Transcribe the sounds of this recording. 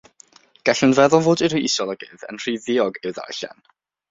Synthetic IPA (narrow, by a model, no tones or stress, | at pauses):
ɡ̥aɬənvɛðɔlˠvoːdɪɾujisɔlˠəɡɪ̰ðə̰nr̥iːðɪɔɡɪwða̰ɛ̰ɬa̰n